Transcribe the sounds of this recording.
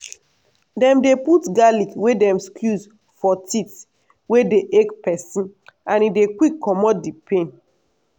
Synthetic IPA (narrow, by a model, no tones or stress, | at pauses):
dɛ̃mdeputɡalikwedɛ̃mskʰjus | fɔtit | wedeʔekpɛsĩnãnidekwikʰːɔmɔdipʰẽn